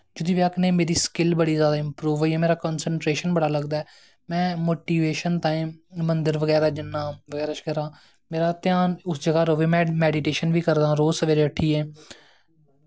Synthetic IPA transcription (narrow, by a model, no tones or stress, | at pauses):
d͡ʒʊd̪iːʋəkʰnẽːmeːɾiːskɪlbəɽiːzjaːd̪aːɪmpɾuːʋoːiːɛːmeːɾaːkɔːnsəɳʈɾeːʃənbəɽaːləɡd̪aːɛː | mɛ̃ːmoːʈiːʋeːʃənt̪ãːĩmənd̪əɾʋəɡɛːɾaːd͡ʒɪnːaːʋəɡɛːɾaːʃkəɾãː | meːɾaːt̪jaːnʊsd͡ʒəɡaːɾoːʋeːmɛ̃ːmɛːɖiʈeːʃənʋiːkəɾd̪ãːɾoːsəʋeːɾeːəʈʰːiːɛː